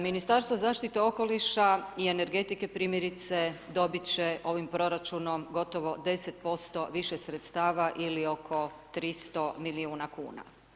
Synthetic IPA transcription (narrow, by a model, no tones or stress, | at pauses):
minist̪aɾst̪ʋozaːʃt̪it̪eo̞ko̞liʃaie̞ne̞ɾɡe̞t̪ike̞pɾiːmjeɾit̪se̞d̪o̞bit͡ɕeʔo̞ʋimpɾo̞ɾat͡ʃuno̞mɡo̞t̪o̞ʋo̞d̪e̞set̪̚po̞st̪o̞ʋiʃesɾet̪st̪aːʋaʔilio̞kʰo̞t̪ɾist̪o̞miliuːnakṵːna̰